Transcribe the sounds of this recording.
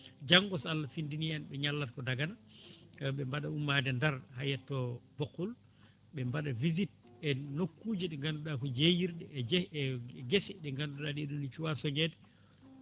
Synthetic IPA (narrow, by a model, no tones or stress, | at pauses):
d͡ʒaŋɡɔsalːafindinijanɓɛɲalːatkɔdaɡana | ɓɛmbaɗaumːadɛndaɾhajɛtːɔb̥okːul | ɓɛmbaɗavizit̚ | ɛnokːuːd͡ʒiɗɛŋɡanduɗakɔd͡ʒejiɾɗɛd͡ʒ | ɡesɛɗɛŋɡanduɗaɗiɗunit͡ʃuwasɔɲɛdɛ